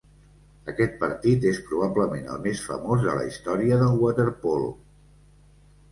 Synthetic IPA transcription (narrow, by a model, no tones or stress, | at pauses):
əkɛt̪̚pəɾt̪it̪espɾuβ̞abləmenə̰lˠmesfə̰mozðə̰lə̰ist̪ɔɾiəðəlˠɣwat̪eɾpɔl